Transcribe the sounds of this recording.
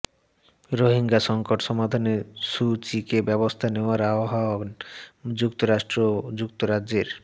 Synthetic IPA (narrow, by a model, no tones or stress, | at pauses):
ɾoɦiŋɡaʃɔŋkoʈʃɔmad̪ʱaneʃut͡ɕikebɛbost̪ʰaneoaɾaoɦao | d͡ʑukt̪oɾaʃʈɾod͡ʑuk̚t̪oɾad͡ʑd͡ʑeɾ